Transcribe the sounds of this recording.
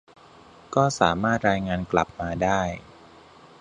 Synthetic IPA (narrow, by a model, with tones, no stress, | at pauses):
kɔː˥˩saː˩˦maː˥˩t̪̚ɾaː˧jŋaː˧nkla˨˩p̚maː˧daː˥˩j